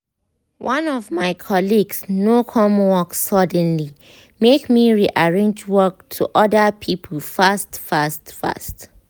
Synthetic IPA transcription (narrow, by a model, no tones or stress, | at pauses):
wʔʌ̃nɔvmaɪkʰɔliɡsnokʰɔ̃mwɔksɔdɛ̃nli | mekmiɹiʔaɹẽnd͡ʒwɔk̚tʰuʔɔdəpʰipʰəlfastfastfa̰st